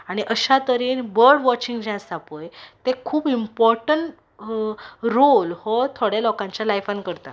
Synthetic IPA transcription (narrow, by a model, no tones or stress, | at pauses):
aɽ̃iʔəɕat̪əɾiːnbəɾɖʋɔt͡ɕiŋɡd͡ʑãsapəjt̪ekʰuːbimpɔɾʈəɳʈ | ɾolhɔt̪ʰoɽjalɔkãɲt͡ɕjalajfankəɾt̪a